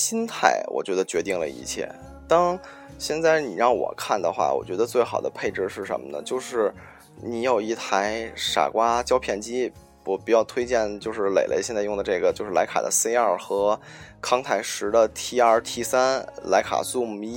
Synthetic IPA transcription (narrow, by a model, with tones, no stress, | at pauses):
ɕi˥nt̪ʰa˥˩ɪwɔ̰˨˩t͡ɕɥɛ˧˥d̪ə˧t͡ɕɥɛ˧˥t̪i˥˩ŋlə̰˩ḭ˧˥t͡ɕʰjɛ̰˥˩ | t̪ɑ˥ŋ | ɕjɛ˥˧nt͡sa˥˩ɪni˨˩ɻɑ˥˩ŋwɔ̰˨˩kʰa˥˩nd̪ə̰˩xwa̰˥˩wɔ̰˨˩t͡ɕɥɛ˧˥d̪ə˧t͡swe˥˩ɪxɑ˨˩ʊd̪ə̰˦pʰe˥˧ɪʈ͡ʂɻ̩˥˧ʂɻ̩˥˩ʂə̰˧˥nmə˧nə̰˩t͡ɕjo˥˧ʊʂɻ̩˥˩ | ni˧˥jo˨˩ʊi˥˩t̪ʰa˧˥ɪʂa̰˨˩kwa˥t͡ɕjɑ˥ʊpʰjɛ˥˩nt͡ɕi˥ | wɔ˨˩pu˧˥jɑ˥˩ʊt̪ʰwe˥ɪt͡ɕjɛ˥˧nt͡ɕjo˥˧ʊʂɻ̩˥˩lḛ˨˩ɪlʔḛ˧˥ɪɕjɛ˥˧nt͡sa˥˧ɪjʊ˥˩˧d̪ə˩ʈ͡ʂɤ˥˩ɡə˩t͡ɕjo˥˧ʊʂɻ̩˥˩la˧˥ɪa̰˨˩d̪ə̰˦se˥ɪɐ˞˥˩xɤ˧˥ | kʰɑ˥ŋt̪ʰa˧˥ɪʂɻ̩˧˥d̪ə˧t̪ʰi˥ə˞˥˧t̪ʰi˥˩sa˥nla˧˥ɪkʰa̰˨˩su˥˧mi˥